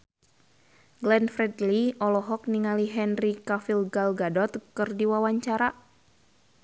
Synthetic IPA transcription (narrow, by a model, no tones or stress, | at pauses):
ɡlɛnfɾɛdliɔlɔɦɔk̚niŋaliɦɛnrikafilɡalɡadɔt̪kɨrdiwawaɲt͡ʃaɾa